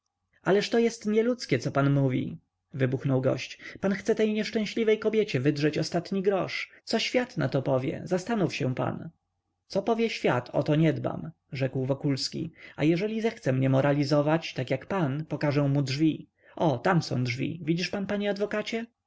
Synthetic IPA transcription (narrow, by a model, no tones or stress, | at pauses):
alɛʂt̪ɔjɛst̪ɲɛlut̪skʲɛt̪sɔpanmuvʲḭ | vɘbuxnɔwɡɔ̰ɕt͡ɕpanxt̪sɛt̪ɛjɲɛʂt͡ʂɛ̃ɕlʲivɛjkɔbʲjet͡ɕɛvɘd̪ʐɛt͡ɕɔst̪at̪ɲiɡɾɔʂt̪sɔɕfʲjat̪na̰t̪ɔpɔvʲjɛ̰zast̪anufɕɛpa̰n | t̪sɔpɔvʲjɛɕfʲjat̪ʰɔ̰t̪ɔɲɛd̪ba̰m | ʐɛkwvɔkulskʲḭa̰jɛʐɛlʲizɛxt̪sɛmɲɛmɔɾalʲizɔvat͡ɕt̪akjakpanpɔkaʐɛw̃mudʐvʲi | ʔɔt̪amsɔ̰̃w̃dʐvʲḭvʲid͡ʑiʂpanpaɲɛad̪vɔkat͡ɕɛ